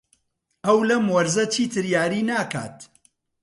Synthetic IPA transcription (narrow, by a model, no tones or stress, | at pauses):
ɐwlɐmwɐɾzɐt͡ʃʰiːt̪ʰɨɾjaːɾiːnaːka̰ːt̪